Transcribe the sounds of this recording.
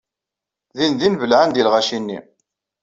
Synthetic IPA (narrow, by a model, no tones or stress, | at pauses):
ðinðinvəlʕand̪ilʁæʃinːḭ